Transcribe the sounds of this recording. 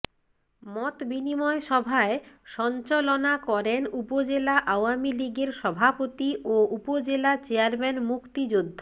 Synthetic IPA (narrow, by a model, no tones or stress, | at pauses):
mɔt̪binimɔeʃɔbʱaeʃɔnt͡ɕolonakɔɾenupod͡ʑelaʔaoamiliɡeɾʃɔbʱapot̪iʔoupod͡ʑelat͡ɕeaɾmɛnmukt̪id͡ʑod̪ʱːa